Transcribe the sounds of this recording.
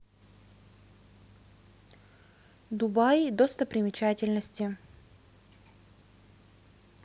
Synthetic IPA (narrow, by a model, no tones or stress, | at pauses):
d̪ʊbajd̪ost̪əpɾʲɪmʲɪt͡ɕætʲɪlʲnəsʲtʲɪ